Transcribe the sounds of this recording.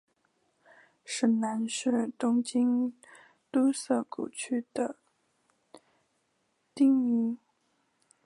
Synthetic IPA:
ʂɻ̩˨˩na˧˥nʂɻ̩˥˩t̪ʊ˥ŋt͡ɕi˥n | t̪u˥sɤ˥˩kṵ˨˩t͡ɕʰy˥d̪̥ə˨ | t̪i˥˩ŋi˧˥

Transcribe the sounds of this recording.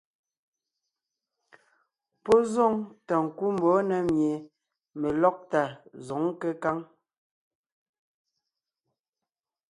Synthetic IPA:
pɔ˦zɔ˦ŋta˨ŋ̩˨ku˦m˨bɔ˨˦nɛ˨mje˨ | me˨lɔ˦k̚ta˨zɔ˨˦ŋ˦ke˦ka˦ŋ

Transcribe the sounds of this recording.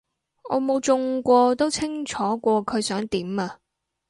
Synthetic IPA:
ɔ̰ː˨˧mo˨˧wt͡ʃʊ˧ŋkʷɔː˧t̪o˥wt͡sʰɪ˥ŋt͡ʃʰɔː˨˥kʷɔː˧kʰɵ˨˧ɥsœː˨˥ŋt̪iː˨˥maː˧

